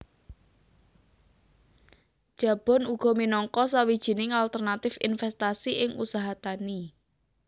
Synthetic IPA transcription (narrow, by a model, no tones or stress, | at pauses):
d̥ʒ̥ä̤b̥ɔ̤nuɡ̥ɔ̤minɔŋkɔsawid̥ʒ̥i̤nɪŋalt̪ərnat̪ɪfɪ̰nfɛst̪asiʔɪŋṵsaɦat̪ani